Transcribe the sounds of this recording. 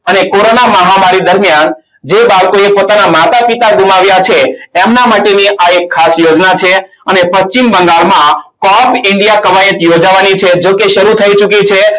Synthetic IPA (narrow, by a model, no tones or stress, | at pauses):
ənekoɾonaməɦamaɾid̪əɾmijan | d͡ʒebaʋkoepot̪anamat̪apit̪aɡumaʋjat͡ʃʰeemnamaʈeniʔaekʰːasjod͡ʒnat͡ʃʰe | ənepəst͡ʃimbəŋɡaɭmãkɔpɪɳɖijakəʋajət̪jod͡ʒaʋanit͡ʃʰed͡ʒokeʃəɾut̪ʰəit͡ʃukit͡ʃʰe